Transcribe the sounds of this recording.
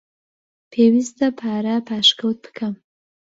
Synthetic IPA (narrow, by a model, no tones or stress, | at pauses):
pʰewizt̪əpʰaɾapaʃkawt̪̚pʰə̥kʰam